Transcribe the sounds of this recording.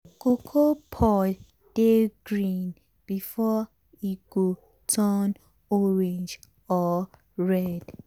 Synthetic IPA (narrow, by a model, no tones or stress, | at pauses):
kʰokʰopʰɔ | d̥eɡɹĩn | b̥ifɔ | iɡ̥o | tʰɔn | ɔɹɛ̃nd͡ʒ | ɔ | ɹɛd̥